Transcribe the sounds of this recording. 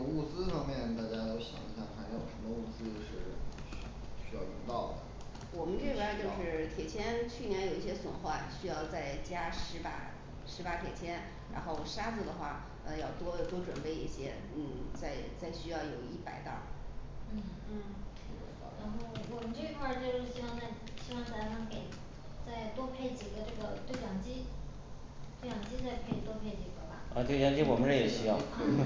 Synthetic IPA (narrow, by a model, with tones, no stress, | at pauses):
u˥˧t͡sɹ̩˥fɑ˥ŋmjɛ˥˧nt̪a˥˩t͡ɕja˥t̪o˥ʊɕjɑ̰˨˩ŋi˧˥ɕja˥˩pʰa˥n˥˩jo˨˩ə˧˥md̪ə˧u˥˩t͡sɹ̩˥o˧ʊʂɻ̩˥˩˧ | ɕy˥jɑ˥˩ʊlḭ˧˥ŋt̪ɑ˥˩ʊd̪ə˩ə˩ | wɔ˨˩mə˦nʈ͡ʂɤ˥˩˧i˧kʰwa˥˧t͡ɕjo˥˧ʂɻ̩˥˩˧t̪ʰjɛ˨˩t͡ɕʰjɛ˥nt͡ɕʰy˥˩njɛ˧˥njo˨˩ʊi˥˩ɕjɛ˥swə˨˩nxwa˥˩nɕy˥jɑ˥˧ʊt͡sa˥˩ɪt͡ɕja˥ʂɻ̩˧˥pa̰˨˧˩ | ʂɻ̩˧˥pa˧˥t̪ʰjɛ˨˩t͡ɕʰjɛ˥n | ɻa̰˧˥nxo˥˩ʊ˩ʂa˥t͡s̩˥˧d̪ə˩xwa˥˩ | ə˧jɑ˥˩ʊt̪wɔ˥˧˩t̪wɔ˥ʈ͡ʂwə˨˩npe˥˧ɪḭ˥˩ɕjɛ˥ | n̩˥˩t͡sa˥˧ɪt͡sa˥˩ɪɕy˥jɑ˥˩ʊjo˨˩ʊi˥˩pa̰˨˧˩ɪt̪ɑ̰˥˩˦n̩˥˩n̩̰ʰ˥˩˥ | ɻa˧˥nxo˥˩ʊwɔ˨˩mə˦nʈ͡ʂɤ˥˩i˧˥kʰwa˥˧t͡ɕjʊʂ̩˥˩ɕi˥wɑ˥˧ŋt͡sa˥˧ɪɕi˥wɑ˥˧ŋt̪a˥fɑ˥ŋke˨˩ɪ | t͡sa˥˩ɪt̪wɔ˥pʰe˥˩ɪt͡ɕi˨˩ɡə˦ʈ͡ʂɤ˥˩ɡə˩t̪we˥˩ɪljɑ˨˩ŋt͡ɕi˥ | t̪we˥˩ɪjɑ˨˩ŋt͡ɕi˥t͡sa˥˧ɪkʰe˥˩i˨˩t̪wɔ˥pʰe˥˩ɪt͡ɕi˨˩ɡə˧˦ba˨a˥˧t͡ɕɤ˥˩˧jɑ˧˥ŋt͡ɕi˥wɔ˨˩mə˦ɻə˥˧jɛ˨˩ɕi˥jɑ˥˩˥